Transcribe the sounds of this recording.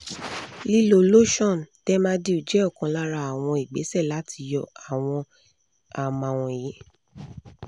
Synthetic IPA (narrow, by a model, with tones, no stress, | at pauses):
li˦lo˨lo˦ʃɔ̃˦˨n˨tɛ˦mã˦di˧u˨d͡ʒɛ˨˦ɔ˦˨kã˨˧la˦ɾa˧˦a˨w̃ɔ̃˧i˨ɡ͡be˨˦sɛ˦˨la˨˦tʰi˧jɔ˧˨a˨w̃ɔ̃˧ | a˨mã˨w̃ɔ̃˧e˨je˨˦